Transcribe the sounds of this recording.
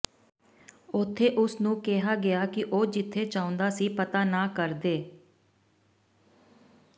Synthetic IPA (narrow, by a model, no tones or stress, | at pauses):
ʊt̪ʰːeːʔʊsnũːkeɦaːɡɪaːkɪʔoːd͡ʒɪt̪ʰːeːt͡ʃãːʊ̃nd̪aːsiːpət̪aːnaːkəɾd̪eː